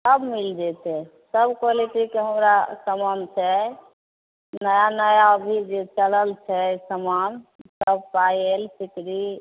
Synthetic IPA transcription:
səbmild͡ʒɛt̪ɛ | səbkwaliʈikeɦəmɾasəmamt͡ʃʰɛ | nəjanəjaəbʱid͡ʒet͡ʃələlt͡ʃʰɛsəmamsəb̚pajelsikɾi

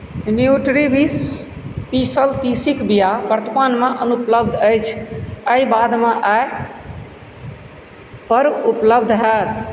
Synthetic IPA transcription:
njuʈɾibis | pisəlt̪isikbijabəɾt̪ʰəpanmeʔənupləbd̪ʱəjt͡ʃʰəibad̪meʔae | pəɾupləbd̪ʱɦɛt̪

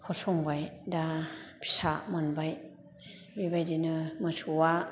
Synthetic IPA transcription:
hʰɔsɔŋbajdapʰi̥sa̰mɯnbaj | bibajdinɯmɯsuwa

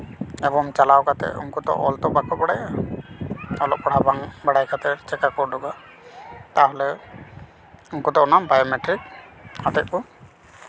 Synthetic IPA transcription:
ɛbɔmt͡ʃalawkat̪ɛ̰ṵŋkut̪ɔ̰ʔɔlt̪ɔbakɔbɔɽaja | ɔlɔʔ̚pɔɽabaŋbaɽajkʰat̪ɛt͡ʃɛkakɔɾɖɔɡa | t̪aɦɔlɛ | uŋkut̪ɔʔɔnambajɔmɛʈɾik̚ | at̪ɛʔ̪̚ku

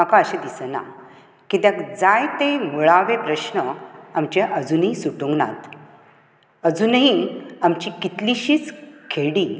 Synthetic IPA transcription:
məkaəɕẽd̪isəna̰ | kit̪ãkd͡zajt̪emuɭaʋepɾəɕnəamt͡ɕeʔəd͡zunɦĩsuʈũŋɡna̰t̪ | əd͡zunɦiamt͡ɕikit̪liɕiːt͡skʰeɽi

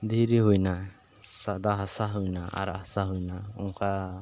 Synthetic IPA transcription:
d̪iɾiɦujna | sad̪aɦasaɦujnaa̰ɾasaɦujnaɔŋkʰa

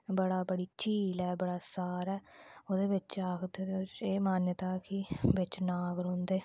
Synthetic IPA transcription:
bəɽaːbəɽiːt͡ʃiːlɛːbəɽaːsaːɾɛːoːd̪eːʋɪt͡ʃaːkʰd̪eːd̪et͡ʃeːmaːnjət̪aːkɪbɪt͡ʃnaːɡɾɦõːnd̪eː

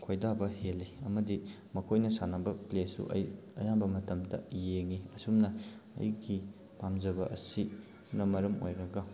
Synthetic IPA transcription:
kʰojdabɐhelːiɐmɐdi | mɐkʰojnɐsanabɐplesṵʔɐ̰j | ɐjambɐmɐtɐmdɐ̰jeŋiɐsumnɐɐ̰jɡi | pamzɐbɐʔɐ̰si | nɐmɐɾɐmo̰jɾɐɡɐ

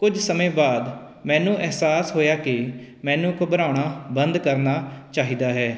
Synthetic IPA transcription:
kʊd͡ʒsəmẽːbaːd̪ | mɛ̃ːnũːʔɛɦsaːsɦoːjaːkɪmɛ̃ːnũːkbəɾaːɳaːbənd̪kəɾnaːt͡ʃaːɦiːd̪aːɦɛː

